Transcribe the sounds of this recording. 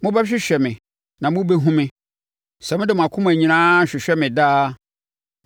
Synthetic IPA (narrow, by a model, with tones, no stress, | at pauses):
mʊ̃˦bɛ˦ɕᶣɪ˦ɕᶣɛ˨mɪ̃˨ | nã˨mʊ̃˦be˦ɦũ˦mɪ̃˦ | sɛ˨mʊ̃˦dɪ˦˨m̃˨a˨kʰʊ̃˦mʊ̃˦æ˨ɲĩ˦nãː˦˨ɕᶣɪ˨ɕᶣɛ˦mɪ̃˨daː˦